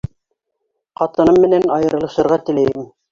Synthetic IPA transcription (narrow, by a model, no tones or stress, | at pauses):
qɑt̪ɤ̆nɤmːɘ̆nænɑjɤ̆ɾɤ̆lˠɤ̆ʃɤ̆ɾʁɑt̪ɘ̆læjɘm